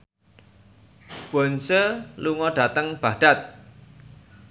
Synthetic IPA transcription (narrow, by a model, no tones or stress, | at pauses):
b̥ɔ̤nsəluŋɔɖ̥a̤t̪əŋb̥aɖ̥a̤t̪̚